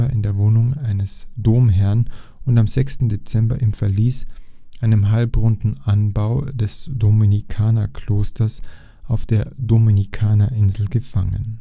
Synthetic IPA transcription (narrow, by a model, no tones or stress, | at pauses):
aɐʔɪndeːɐvoːnʊŋʔaɪnəsd̥oːmɦɛɐnʔʊntamzɛkstn̩det͡sɛmbɐ̰ʔɪmfɛɐliːsʔaɪnəmɦalpʁʊndn̩ʔanbaʊd̥ɛsd̥ominikʰaːnɐkʰl̥oːstʰɐs | ʔaʊfd̥eːɐdominikʰaːnɐʔɪnzl̩ɡəfaŋə̰n